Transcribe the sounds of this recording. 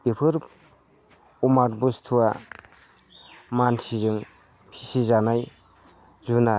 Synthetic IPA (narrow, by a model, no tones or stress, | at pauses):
pepʰɯɾ | umaɾbustʰuwa | mantʰizɯŋ | pʰisizanaj | zuna